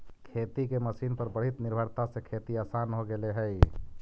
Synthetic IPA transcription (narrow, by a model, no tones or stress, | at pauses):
kʰet̪ikeməsiːnpəɾbəɽ̤it̪nɪɾbʱəɾt̪asekʰet̪iaːsaːnɦoɡeleɦɛi